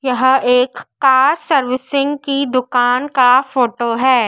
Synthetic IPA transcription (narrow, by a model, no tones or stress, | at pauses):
jɐɦeːkːaːɾsɐɾʋɪsɪ̃ŋɡkid̪ʊkaːnkafoːʈoɦɛː